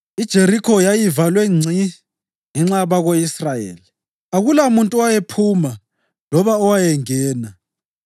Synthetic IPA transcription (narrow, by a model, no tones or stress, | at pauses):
id̥ʒ̥ʱeɾikʰɔjajivalweŋ͡ǀʱi | ŋɛŋ͡ǁaβaɣoisrajḛːli | aɣulamuntʼuwajepʰuma | lɔβaɔwajɛŋɛːna